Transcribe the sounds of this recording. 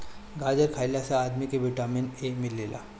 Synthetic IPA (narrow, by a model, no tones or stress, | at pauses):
ɡad͡ʑəɾkʰajlasaːd̪mikeʋiʈaminemilːela̰